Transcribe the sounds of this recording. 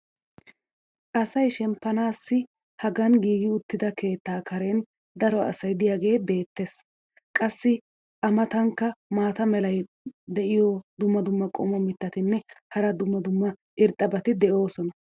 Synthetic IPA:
ʔɐsɐjʃɛmpːɐnaːsːɪ | hɐɡɐnɡiːɡɪʊt̪ːɪd̪ɐke̞ːt̪ːaːkʰɐɾɛn | d̪ɐɾɔɐ̰sɐjd̪ɪjaːɡe̞ːbe̞ːt̪ːes | kʼɐsːɪ | ʔɐmɐt̪ɐŋkːɐmaːt̪ɐmɛlɐj | d̪ɛʔɪjɔd̪ʊmːɐd̪ʊmːɐkʼɔ̰mɔmɪt̪ːɐt̪ɪnːɛhɐɾɐd̪ʊmːɐd̪ʊmːɐʔɪɾt̪ʼːɐbɐt̪ɪd̪ɛʔo̞ːsɔnɐ

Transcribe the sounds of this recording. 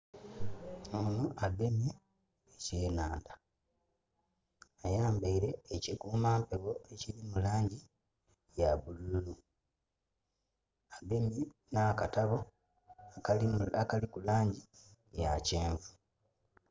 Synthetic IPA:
onuʔaɡe̞mje | eceːnaːnda | ajaːmbaiɾe̞ːcikuːmaːmpe̞βo̞ecilimulaːɲɟi | jaβululu | aɡe̞mjenakataβo̞ | akalikulaːɲɟijaceːɱvu̥

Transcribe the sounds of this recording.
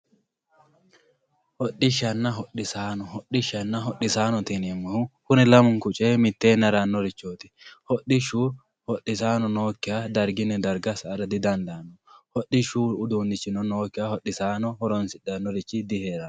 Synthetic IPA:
hɔɗːɪʃɐnːɐɦɔɗɪsaːnɔɦɔɗːɪʃɐnːɐɦɔɗːɪsaːnɔt̪inɛmːɔhʊkʊnɛlɐmʊŋkʊt͡ʃʼemɪt̪ːeːnɐɾɐnːɔɾɪt͡ʃːoːt̪ɪ̥ | hɔɗɪʃu | hɔɗːɪsaːnɔnoːkːɪjad̪ɐɾɡɪnːɛd̪ɐɾɡɐsɐːɾɐd̪ɪd̪ɐnd̪aːnːɔhɔɗɪʃuːd̪uːnɪt͡ʃːɪnɔnoːkːɪahɔɗɪsaːnɔhɔɾɔnsɪᶑɐnːɔɾɪt͡ʃːɪd̪ɪheːɾɐn

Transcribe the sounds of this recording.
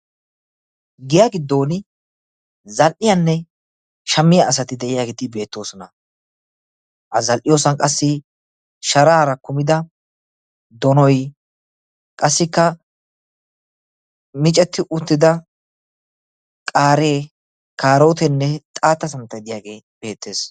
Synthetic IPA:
ɡɪjaːɡɪd̪ːo̞ːnɪ | zɐlʔɪjɐnːɛ | ʃɐmːɪjaːs̬ɐt̪ɪd̪ɛʔɪjaːɡet̪ɪbe̞ːt̪ːo̞ːsɔnɐ | ʔɐzɐlʔɪjo̞ːsɐnkʼɐsːɪ | ʃɐɾaːɾɐkʊmɪd̪ɐ | d̪ɔnɔj | kʼɐsːɪkːɐ | mɪt͡ʃʼɛt̪ːɪʔʊt̪ːɪd̪ɐ | kʼaːɾeː | kaːɾo̞ːt̪ɛnːɛt̪ʼaːt̪ːɐsɐmt̪ːɐjd̪ɪjaːɡe̞ː | b̥e̞ːt̪ːe̞ːs

